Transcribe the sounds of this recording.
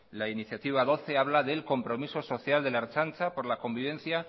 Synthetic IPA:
lainiθjat̪iβ̞aðo̞θe̞aβ̞laðe̞lko̞mpɾo̞miso̞so̞θjald̪e̞laeɾt͡ʃant͡ʃapo̞ɾlako̞mbiβ̞e̞nθja

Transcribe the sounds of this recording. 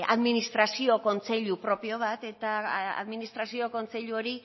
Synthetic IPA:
a̰ðminist̪ɾasio̞ko̞nt͡se̞ʎupɾo̞pio̞β̞at̪e̞t̪aa̰ðminist̪ɾasio̞ko̞nt͡se̞ʎuo̞ɾi

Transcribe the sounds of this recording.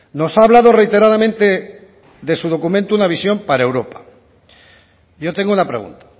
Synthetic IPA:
no̞saːβlað̞o̞re̞jt̪e̞ɾað̞amẽnt̪e̞ | ðe̞suð̞o̞kumẽnt̪uunaβ̞isjo̞mpaɾaewɾo̞pḁ | ʝo̞t̪e̞ŋɡounapɾe̞ɣṵnt̪ḁ

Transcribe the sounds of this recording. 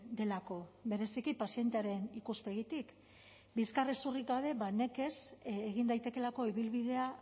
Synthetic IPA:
d̪e̞lako̞βe̞ɾe̞sikipasie̞nt̪e̞aɾe̞nikuspe̞ɣ̞it̪ik | biskaresurikɡaβe̞βane̞ke̞seɣind̪ajt̪e̞ke̞lako̞iβilβiðe̞a

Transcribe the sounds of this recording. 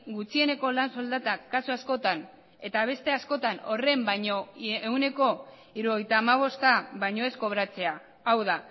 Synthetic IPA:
ɡut͡sie̞ne̞ko̞lanso̞ld̪at̪akasuasko̞t̪an | e̞t̪aβ̞e̞st̪e̞asko̞t̪ano̞re̞mbajɲo̞eune̞ko̞ | iɾuoɣejt̪aːmaβ̞o̞st̪aβajɲo̞e̞sko̞βɾat͡se̞aː | wða

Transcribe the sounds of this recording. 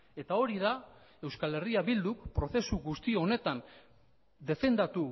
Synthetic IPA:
e̞t̪ao̞ɾiða | e̞wskale̞riaβild̪ukpɾo̞θe̞suɡust̪ioone̞t̪an | d̪e̞fe̞nd̪at̪u

